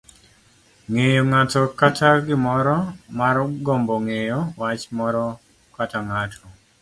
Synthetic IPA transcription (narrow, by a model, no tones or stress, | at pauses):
ŋejoŋatɔkatʰaɡɪmɔɾɔmarɡɔmbɔŋejowat͡ʃmɔɾɔ | kataŋatʰɔ